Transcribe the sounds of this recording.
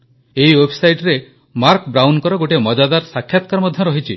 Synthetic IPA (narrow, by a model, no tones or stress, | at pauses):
eiwebʰʱsajʈɾe | maɾkbɾawnkɔɾɔɡoʈemɔd͡ʒad̪aɾsakʰːjat̪ɔkaɾmɔd̪ʱjɔɾɔɦit͡ʃʰi